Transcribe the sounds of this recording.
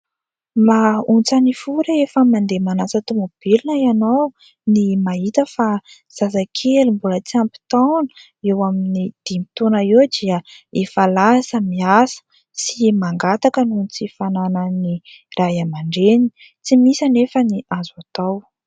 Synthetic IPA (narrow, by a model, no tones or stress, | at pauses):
maunt͡sanifuɾaefəmand̪emanat͡sət̪umob̥elinaianow | nimaɦit̪əfa | z̥asakʰelimbulət͡siampi̥t̪anə̥ | ewaminid̪̥imit̪onəewd̪iəefalasəmiasə̥ | simaŋɡat̪akənunt͡sifananəni | rajamaɳɖ͡ʐeni̥ | t͡simisanefəniʔazuat̪aw